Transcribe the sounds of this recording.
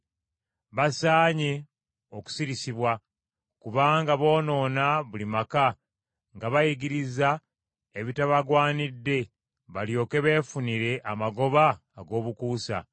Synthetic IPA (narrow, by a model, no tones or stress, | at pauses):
βasaːɲe̞ | o̞ku̥siɾisiβwa | kuβaːŋɡaβo̞ːno̞ːnaβulimaka | ŋɡaβajiɡiɾiza | eβitaβaɡwaːnidːe̞ | βaljo̞ːke̞βe̞ːfuniɾe̞ʔamaɡo̞βaːɡo̞ːβukuːsa̰